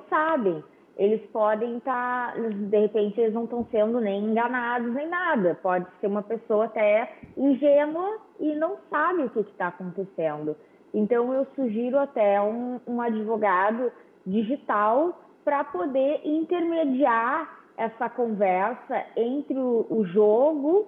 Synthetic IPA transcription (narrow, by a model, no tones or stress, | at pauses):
sabẽj̃ | elɪspɔd̪ẽj̃t̪aɾzd̪ehepẽnt͡ʃɪelɪznɐ̃w̃t̪ɐ̃w̃sẽnd̪ʊnẽj̃ẽŋɡɐnad̪ʊznẽj̃nad̪ɐpɔd͡ʒɪseɾũmɐpesowɐat̪ɛĩʒenwɐ | ɪnɐ̃w̃sabɪ̃ʊkɪkɪ̥t̪aːkõnt̪esẽnd̪ʊ | ẽnt̪ɐ̃w̃ewsuʒiɾʊat̪ɛũũad͡ʒivoɡad̪ʊ | d͡ʒiʒit̪aw | pɾɐpod̪eʔĩnt̪eɾmed͡ʒiaɾ | ɛsɐkõvɛɾsɐẽnt̪ɾɪʊʊʒoɡʊ